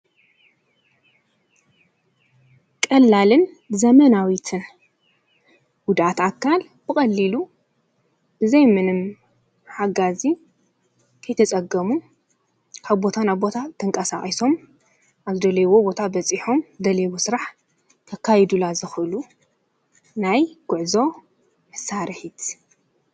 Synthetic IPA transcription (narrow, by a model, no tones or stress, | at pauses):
kʼɐlːalɨn | zɐmɐnawit̪ʰɨn | wʊd̪ʔat̪akʰːal | b̥ɨkʼɐlːilu | b̥ɨzɐjmɨnɨm | ħaɡazi | kʰɐjt̪ʰɐt͡sʼɐɡɐmu | kʰaβbo̞t̪ʰanaβbo̞t̪ʰat̪ʰʼɨŋkʼɐsakʼiso̞m | ʔaβzɨd̪ɐlɐjwo̞bo̞t̪ʰabɐt͡sʼiħo̞md̪ɐlewosɨɾaħ | k̪ʰɐkʰːajɛd̪ulazɨxʔɨlu | najɡ̥ʊʕzo̞ | mɨsaɾɨħit̪ʰ